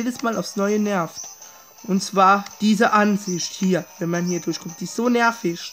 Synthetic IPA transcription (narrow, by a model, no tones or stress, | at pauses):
eːdəsmaːlaʊfsnɔʏənɛɐft | ʔʊntt͡sv̥aːɐd̥iːzəʔanzɪçthiːɐvɛnmanhiːɐdʊɐçkʰɔmt̚d̥iːsz̥oːnɛɐfɪç